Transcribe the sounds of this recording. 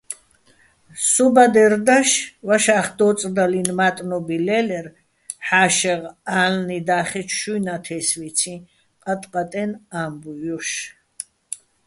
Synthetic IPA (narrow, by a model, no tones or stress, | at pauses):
subad̪ɛɾd̪aʃvaʃaːχd̪ɔːt͡sʼd̪alinmat̪ʼnɔbilɛlɛɾ | ħaːʃɛʁalnid̪aːχɛt͡ʃʰʃujnat̪ʰɛsvit̪t͡sʰĩ | qʼat̪ʼqʼat̪ʼɛnaːmbujɔʃ